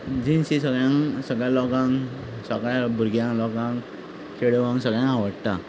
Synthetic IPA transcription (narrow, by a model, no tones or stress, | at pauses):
d͡ʑinɕisəɡɭjãŋsəɡɭjalɔkãŋk | səɡɭjabʱuɾɡjãŋlɔkãŋ | kʰeɽəʋãŋɡsəɡɭjãŋaʋəɽt̪a̰